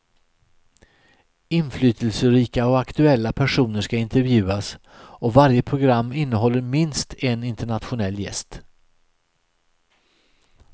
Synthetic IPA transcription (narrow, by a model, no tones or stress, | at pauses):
ɪnflyːt̪ʰəlsəɾiːkaɔakt̪ɵɛlːapʰæʂuːnəʂkaɪnt̪ɛɾvjʉ̟ːas | ɔvaɾjəpʰɾʊɡɾamːɪnːəɦɔlːəɾmɪnst̪ʰenɪnt̪əɳat̪ɧʊnɛlːjɛ̰st̪